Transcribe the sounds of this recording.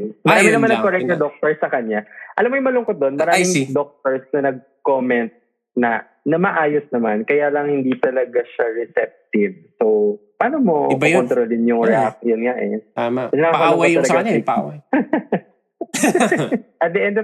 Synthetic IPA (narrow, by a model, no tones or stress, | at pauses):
mɐɾaːmɪnɐmanːɐkːoɾɛk̪̚nɐd̪ok̚t̪oɹsɐkɐɲaʔɐlamːojʊŋmɐlʊŋkot̪̚d̪o̞nmɐɾamɪŋd̪ok̚t̪oɹsnɐnɐɡ̚ | komɛnt̪̚ | nɐ | nɐmɐʔaːjosnɐmankɐjaːlɐŋhɪnd̪it̪ɐlɐɡaʃɐɹɛsɛp̚t̪ɪv̚sowpaːnomo̰kɐont̪ɾolɪnjʊŋɾɛʔak̚jonŋaʔɛ̰t̪amɐɛnɐkaːkɐalʊŋot̪ːɐlɐɡaiw | ʔɐt̪̚d̪ɛʔɛnd̪